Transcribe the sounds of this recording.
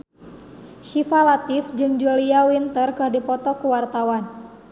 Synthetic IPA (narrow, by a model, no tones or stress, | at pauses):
ʃifalat̪ɪfd͡ʒɨŋd͡ʒuliawint̪ərkɨrdipɔt̪ɔkuwart̪awan